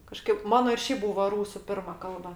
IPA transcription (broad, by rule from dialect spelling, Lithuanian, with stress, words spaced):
kɐˈʃkɐɪp ˈmɑːnoː ɪr ˈʃʲɛɪp ˈbuːʋoː ˈruːsʊ ˈpʲɪrmɐ ˈkɐlˠbɐ